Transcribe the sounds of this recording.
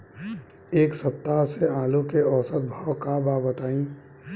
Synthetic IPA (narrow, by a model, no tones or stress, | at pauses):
eːksɐp̚t̪aseaːlukeɔːsət̪̚bʱawkabaːbət̪aːĩ